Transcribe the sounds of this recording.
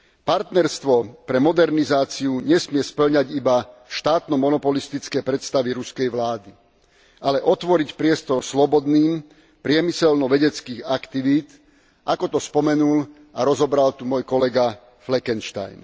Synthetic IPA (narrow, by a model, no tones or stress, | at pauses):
paɾt̪nɛɾst̪ʋɔpɾɛmɔd̪ɛɾnizaːt͡siuɲɛsmɪɛspl̩ɲaɟibafʃt̪aːt̪nɔmɔnɔpɔlist̪it͡skɛjpɾɛt̪st̪aʋiɾuskɛjʋlaːd̪i | ʔalɛʔɔt̪ʋɔɾicpɾɪɛst̪ɔɾslɔbɔd̪niːm | pɾɪɛmisɛlnɔʋɛɟɛt͡skiːɣakt̪iʋiːt̪ | ʔakɔt̪ɔspɔmɛnul | aɾɔzɔbɾalt̪umɔjkɔlɛɡa | flɛkɛnʃt̪a̰jn